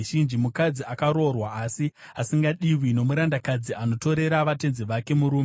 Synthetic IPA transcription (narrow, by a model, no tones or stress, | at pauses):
ʒind͡ʒimukad͡ziakaɾo̞rwaːsiasiŋɡaɗiwino̞muɾandakad͡ziano̞to̞ɾe̞ɾaʋate̞nzeʋake̞muɾuːme